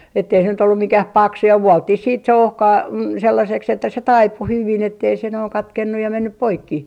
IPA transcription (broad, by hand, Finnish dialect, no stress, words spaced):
etːei se nyt olːu mikæh pɑksu jɑ ʋuɔltːih siːt se ohkɑi selːɑseks etːæ se tɑipu hyʋin etːei se noiŋ kɑtkenːuj jɑ menːyp poikːi